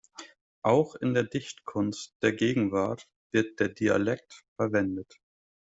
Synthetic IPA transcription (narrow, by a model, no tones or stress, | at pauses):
ʔaʊxɪndeːɐdɪçtkʰʊnst̚d̥eːɐɡeːɡŋ̩vaɐt | v̥ɪɐt̚d̥eːɐdia̰lɛk̚tfɛɐvɛndət